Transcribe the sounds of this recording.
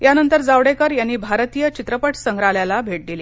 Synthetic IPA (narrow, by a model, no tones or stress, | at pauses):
janənt̪əɾd͡zaʋɽekəɾjanːiːbʱaɾt̪ijət͡ɕit̪ɾəpəʈʰsəŋɡɾaljalabʱeʈ̚d̪iliː